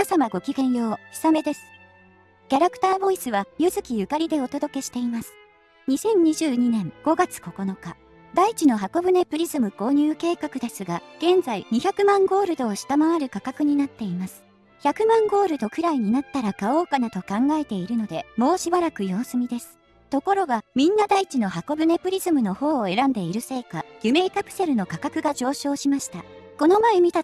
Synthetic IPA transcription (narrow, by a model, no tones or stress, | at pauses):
asamaɡo̞kʲiɡẽ̞ɰ̃jo̞ːɕi̥same̞d̪e̞sɨ̥ | kʲaɾakɯ̟̥t̪aːbo̞isɨβajɯ̟zɨkʲijɯ̟kaɾʲid̪e̞o̞t̪o̞d̪o̞ke̞ɕi̥t̪e̞imasɨ̥ | ɲ̟isẽ̞ɲ̟ɲːiʑɨːɲ̟inẽ̞ŋɡ̥o̞ɡat͡sɨ̥ko̞ko̞no̞ka | d̪ait͡ɕino̞ɦako̞bɯ̟ne̞pɯ̟ɾʲizɨmɯ̟ko̞ːɲ̟ɨːke̞ːkakɯ̟d̪e̞sɨɡaɡ̥ẽ̞nd͡zaiɲ̟içakɯ̟mãŋɡo̞ːɾɯ̟d̪o̞ːɕi̥t̪amaβaɾɯ̟kakakɯ̟ɲ̟inat̪ːe̞imasɨ̥ | çakɯ̟mãŋɡo̞ːɾɯ̟d̪o̞kɯ̟ɾaiɲ̟inat̪ːaɾakao̞ːkanat̪o̞kãŋɡae̞t̪e̞iɾɯ̟no̞d̪e̞mo̞ːɕibaɾakɯ̟jo̞ːsɨmʲid̪e̞sɨ̥ | t̪o̞ko̞ɾo̞ɡamʲĩnːad̪ait͡ɕino̞ɦako̞bɯ̟ne̞pɯ̟ɾʲizɨmɯ̟no̞ho̞ːe̞ɾãnd̪e̞iɾɯ̟se̞ːkaɡ̥ʲɯme̞ːkapɯ̟̥se̞ɾɯ̟no̞kakakɯ̟ɡaʑo̞ːɕo̞ːɕimaɕi̥t̪a | ko̞no̞mae̞mʲit̪a